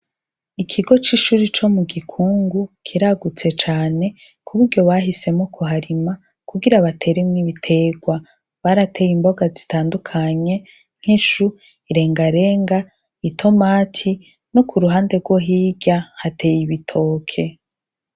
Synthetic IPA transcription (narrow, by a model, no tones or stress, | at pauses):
ikʰiɡo̞t͡ʃiʃuɾit͡ʃo̞muɡikʰuːŋɡukʰiɾaɡut͡se̞t͡ʃaːne̞ | kʰuβuɾɟo̞βaɦise̞mokʰuɦaɾima | kuɡiɾaβatʰe̞ːɾemŋiβitʰe̞ɡwa | βaɾate̞jimbo̞ɡazi̥taːndukʰaɲe̞ | ŋ̥hiʃu | iɾe̞ːŋɡaɾe̞ːŋɡa | βitʰo̞maːtʰi | no̞kʰuɾuɦaːnde̞ɡwo̞ɦiːɟahate̞ːjiβitʰo̞ːkʰe̞